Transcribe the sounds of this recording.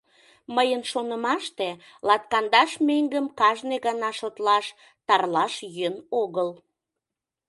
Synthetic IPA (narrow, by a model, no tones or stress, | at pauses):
məjənʃonəmɑʃt̪e | lɑt̪̚kɑnd̪ɑʃmeŋɡəmkɑʒneɣɑnɑʃot̪lɑʃ | t̪ɑrlɑʃjønoɣəl